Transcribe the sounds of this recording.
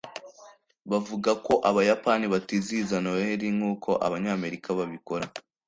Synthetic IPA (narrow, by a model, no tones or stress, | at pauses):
βavuɡako̞ʔaβajapaniβatizizanoweɾiŋuːkʰo̞ʔa̰βaɲaːme̞ɾikaβaβiko̞ɾa